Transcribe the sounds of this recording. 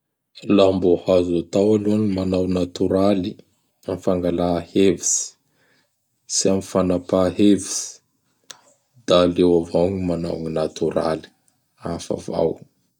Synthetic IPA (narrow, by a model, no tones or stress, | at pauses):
lambohazat̪awaluanimanawnat̪uɾali | amfaŋɡalahevisi̥ | siamifanapaɦevisi̥ | d̪̥aːlewavawɲimana̰wɲinat̪uɾa̰li̥ | afa̰va̰w